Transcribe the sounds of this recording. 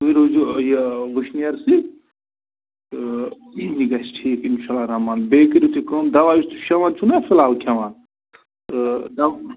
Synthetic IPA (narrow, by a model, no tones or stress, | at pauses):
iɾod͡ʒujeɾuʃnijɐɾsi | iːniɡɐsʈʰiːkinʃaːlːaɾɐmaːnbeːkiɾʲut̪ʰikoːmd̪ɐʋaːjist̪ʰu̥ʃɐʋant͡ʃʰunafilaːlkʲʰɐʋaːn | d̪ɐ